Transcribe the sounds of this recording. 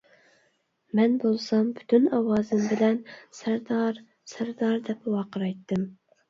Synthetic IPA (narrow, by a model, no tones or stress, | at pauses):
mɛnbolˠsɑmby̥t̪ʰynɑwɑːzɨmbɪlɛnsɾd̪ɾ | sæɾd̪ɑɾd̪ɛpwɑqəɾɑjt̪ːɨm